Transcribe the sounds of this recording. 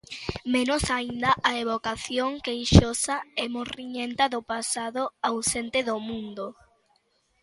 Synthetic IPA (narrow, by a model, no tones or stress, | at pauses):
menʊsaind̪ɐʔaeβokaθjoŋkejʃosaɛmoriɲent̪ɐðʊpasaðoawsent̪eðomũnd̪o